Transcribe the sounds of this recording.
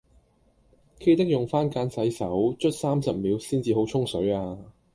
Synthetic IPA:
kʰe˥jt̪ɐ˥k̚jʊ˨˩ŋfaː˥nkaː˨˥nsɐ˨˥jsɐ˨˥wt͡ʃʰt̚saː˥msɐ˨p̚miː˨˥wsiː˥nt͡siː˨ɦo˨˥wt͡ʃʰʊ˥ŋsɵ˨˥ɥaː˧

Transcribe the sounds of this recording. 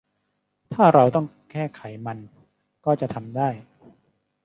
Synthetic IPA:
t̪ʰaː˥˩ɾa˧wt̪ɔ˥˩ŋ | kʰɛː˥˩kʰa˩˦jma˧n | kɔː˥˩t͡ɕa˨ʔt̪ʰa˧mdaː˥˩j

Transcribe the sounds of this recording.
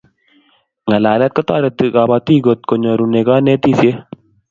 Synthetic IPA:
ŋa˨la˨lɛ˦t̪̚kɔ˦t̪ɔ˦ɾɛ˨t̪i˨ka˨ba˧t̪iː˦ɡo˨t̪̚ko˨ɲɔ˨ɾu˨ne˨ka˦ne˦t̪i˦sje˦

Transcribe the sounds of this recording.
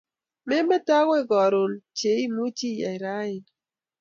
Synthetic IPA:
mɛ˦mɛ˦ta˦wɛ˦ɡɔ˨ɾo˨lt͡ʃe˨˦i˦mu˦t͡ʃi˦ja̰˨ɪ˨ɾa˦ɪ˨n

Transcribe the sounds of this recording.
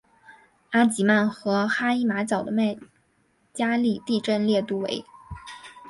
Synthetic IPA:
a˥t͡ɕi˨˩ma˥˩nxɤ˧˥xa˥i˥ma˧˥t͡ɕjɑ˨˩ʊd̪ə˦ma˥˩ɪ | t͡ɕja˥li˥˧t̪i˥˧ʈ͡ʂə˥˧nljɛ˥˧t̪u˥˩wḛ˧˥ɪ

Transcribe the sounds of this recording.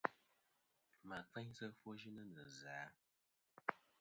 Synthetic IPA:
ma˨fɛ˦ɲsə˦fwo˦ʒi˦nə˦nə˨zaː˨˦

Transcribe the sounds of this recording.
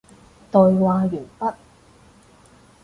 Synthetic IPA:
t̪ɔ˨˧jwaː˨˧jyː˨˩npɐ˥t̚

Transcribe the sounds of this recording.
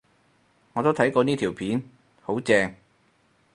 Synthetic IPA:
ŋɔː˨˧t̪o˥t̪ʰjkɔː˧niː˥t̪ʰiː˨˩wpʰiː˨˥n | ho˨˥wt͡sɛː˧ŋ

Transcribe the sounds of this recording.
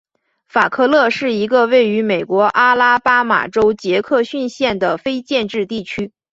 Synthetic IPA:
fa˨˩kʰɤ˥˧lɤ˥˧ʂɻ̩˥˩i˧˥ɡə˧we˥˩ɪy˧˥me˨˩ɪkwɔ˧˥ʔa˥la˥pa˥ma̰˨˩ʈ͡ʂo˥ʊt͡ɕjɛ˧˥kʰɤ˥˧ɕy˥˧nɕjɛ˥˩nd̪ə˩fe˥ɪt͡ɕjɛ˥˧nʈ͡ʂɻ̩˥˧t̪i˥˩t͡ɕʰy˥

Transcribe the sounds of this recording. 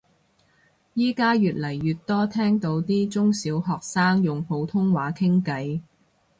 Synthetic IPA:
jiː˥kaː˥jyː˨t̚lɐ˨˩jːyː˨t̚t̪ɔː˥t̪ʰɛː˥ŋt̪o˧wt̪iː˥t͡sʊ˥ŋsiː˨˥wɦɔː˨˩k̚saː˥ŋjʊ˨˩ŋpʰo˨˧wt̪ʰʊ˥ŋwaː˨˥kʰɪ˥ŋkɐ˨˧j

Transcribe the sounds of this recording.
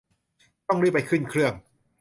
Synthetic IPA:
t̪ɔ˥˩ŋɾɯ˥˩pa˧jkʰɯ˥˩nkʰɾɯ˥˩əŋ

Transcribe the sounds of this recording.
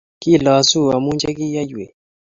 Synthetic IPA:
ki˦˨lɔ˨su˦˨a˨mu˦nd͡ʒa˦ki˦ja˦jwe˨

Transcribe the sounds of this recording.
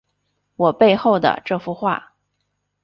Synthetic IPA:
wɔ˨˩pe˥˧ɪxo˥˩ʊd̪ə̰˩ʈ͡ʂɤ˥˧fu˥˧xwa̰˥˩

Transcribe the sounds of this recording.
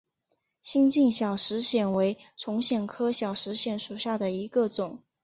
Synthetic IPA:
ɕi˥ŋt͡ɕi˥˩nɕjɑ˨˩ʊʂɻ̩˧˥ɕjɛ˨˩nwe˧˥ɪʈ͡ʂʰʊ˧˥ŋɕjɛ˨˩nkʰɤ˥ɕjɑ˨˩ʊʂɻ̩˧˥ɕjɛ˨˥nʂu˨˩ɕja˥˩d̪ə˩i˧˥ɡə˧t͡sʊ˨˩˦ŋ

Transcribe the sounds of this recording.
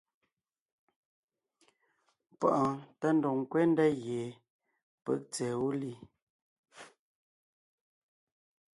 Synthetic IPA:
pɔ̰˦˨ʔɔ˨tə˦n̩˦do˨ŋ˨kwe˦n˦dɛ˦ɣje˨ | pə̰˦˨k̚t͡sɛ˨wu˦li˦

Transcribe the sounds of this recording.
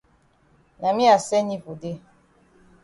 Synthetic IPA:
na˨mĩ˦a˨sɛ˦ɲi˦vo˨de˦

